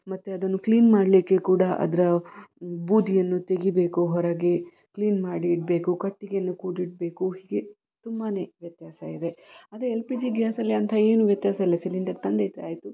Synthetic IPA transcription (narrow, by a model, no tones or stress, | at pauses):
mɐt̪ːeɐd̪ɐnːukliːnmaːɽlikːe̞kuːɽɐʔɐ̰d̪ɐɾɐ | buːd̪ʱijɐnːut̪e̞ɡibe̞ːkuɦɔɾɐɡe | kliːnmaːɽiːʈ̚be̞ːkukɐʈːiɡeɐnːukuːʈiʈ̚be̞ːkuɦiːɡe | t̪umːɐne̞ːʋjɐt̪jaːsɐid̪e̞ɐd̪ɾeelpiːd͡ʒiɡjaːsɐlːɐnt̪ʰɐe̞ːnuʋjɐt̪jaːsɐilːɐsiliɳɖɐɾt̪ɐnd̪ejt̪ːeaːjt̪u